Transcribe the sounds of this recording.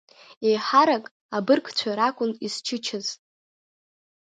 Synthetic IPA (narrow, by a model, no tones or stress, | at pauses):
ejħaɾakʼ | abɨrkʰʼt͡ɕʷʰaɾakʷʼʊnist͡ʃʰɨt͡ʃʰɪz̥tʼ